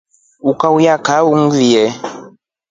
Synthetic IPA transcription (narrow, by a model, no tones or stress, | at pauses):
ukaujakauŋ̩vijɛ